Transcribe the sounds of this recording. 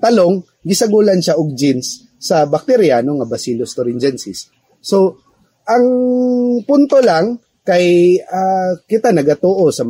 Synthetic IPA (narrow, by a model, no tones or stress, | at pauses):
t̪ɐlo̞ŋ | ɡɪsɐɡuːlɐnʃaʔoɡ̚d͡ʒinsː | ɐbɐk̚t̪ɛɾjanoŋɐbɐsilost̪oɾɪnd͡ʒɛnsɪsː | o | ʔɐŋ | pʊnt̪olaŋ | kɐjakɪt̪anɐɡɐt̪oːʔosɐm